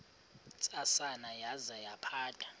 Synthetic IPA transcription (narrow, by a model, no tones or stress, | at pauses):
t͡sʼasanajazajapʰaːtʰʼḁ